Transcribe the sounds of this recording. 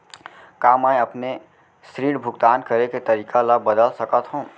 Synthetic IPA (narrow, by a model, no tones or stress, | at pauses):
kaːmaẽɐpne | sɾiːɽbʱʊɡt̪aːnkɐɾeket̪ɐɾiːkalabəd̪əlsɐkət̪ɦõː